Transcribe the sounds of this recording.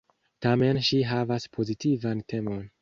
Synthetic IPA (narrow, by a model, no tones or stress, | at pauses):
tame̞nʃiɦavaspʰo̞zitivante̞mo̞n